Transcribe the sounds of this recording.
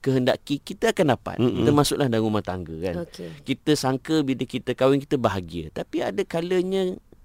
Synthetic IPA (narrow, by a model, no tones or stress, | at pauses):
kəɦənda̰ʔkikit̪əakandapa̰t̪t̪əmasʊʔlahdanumaht̪a̰ŋɡə̰kanokekit̪əsaŋkəbidəkit̪əkawɪŋkit̪əbaɦaɡiə̰t̪apia̰dəkaləɲə̃